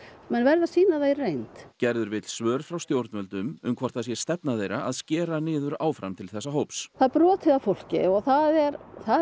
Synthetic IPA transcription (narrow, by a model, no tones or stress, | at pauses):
mɛnvɛɾðasiːnaðairejnt̪cɛɾðʏɾvɪt̪l̥svœːɾfɾawst̪jowɾt̪nmœlt̪ʏmʏmkʰvɔɾ̥t̪asjɛst̪ɛpnaðejɾaʔaðscɛːɾanɪːðʏɾaːwfɾamt̪ʰɪlθɛsːaɦowpsθaðpɾɔːt̪ʰɪðafowl̥cɪ̰ɔɣθaðɛɾθa